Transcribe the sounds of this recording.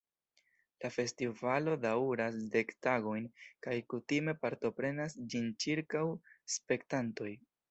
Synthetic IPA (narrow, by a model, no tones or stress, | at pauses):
lafe̞stivalo̞dawɾasde̞ktaɡo̞jnkajkutime̞paɾto̞pɾe̞nasd͡ʒint͡ʃiɾkawspe̞ktanto̞j